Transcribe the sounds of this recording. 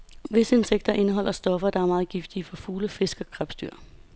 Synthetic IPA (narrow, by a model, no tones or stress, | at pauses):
ʋe̝səe̝nseɡ̥̚d̥ɐʔe̝nəɦɒ̽l̰ʔɐsd̥ɒ̽fɐd̥ɑ̈æɐmɑ̈ːð̩ˠɡ̥ifd̥iəfɒ̽fuːləfe̝sɡ̥əɡ̥ʰʁab̥sd̥yɐ̰